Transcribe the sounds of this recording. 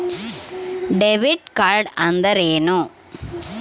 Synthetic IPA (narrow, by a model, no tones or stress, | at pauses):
ɖeʋiɖ̚kaɾɖɐnd̪ɐɾeːno